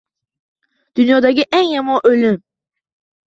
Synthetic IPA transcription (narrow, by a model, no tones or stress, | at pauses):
d̪̥ynjɑːd̪ɑkiʔænjɑmɑnʔølʲym